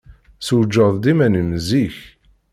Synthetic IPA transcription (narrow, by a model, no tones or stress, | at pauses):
səwd͡ʒːəðˤd̪imænəmziç